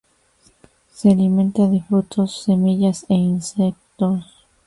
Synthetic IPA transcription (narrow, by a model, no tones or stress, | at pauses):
sealimẽ̞nt̪aðefɾut̪o̞sːe̞miʝaseinsek̚t̪os